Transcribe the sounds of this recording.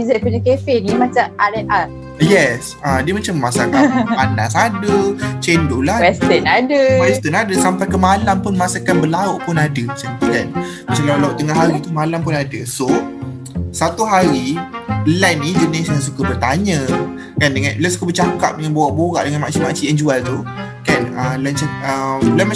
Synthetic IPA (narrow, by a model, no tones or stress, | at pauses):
izɛʔ̚puɲakefɛnimat͡ʃamaɾɛnʔa | jɛs | adiəmat͡ʃamːasakanpana̰sadət͡ʃendolawɛst̪ənadəwɛst̪ənadəsampajkəmalampʊnmasakanbəlaʊʔpʊnadəsənt̪ikan | mat͡ʃamlaulaʊʔt̪əŋaɦaɾit̪umalampʊnadəso | sat̪uɦaɾilɛnːid͡ʒunesas̬ukəbərt̪aɲə̃ | kandəŋãnlɛsukəbərt͡ʃakap̚dəŋanbawaʔboɾa̰ʔdəŋanmaʔsimaʔsiɛnd͡ʒualt̪u | kanələnt͡ʃaəmlama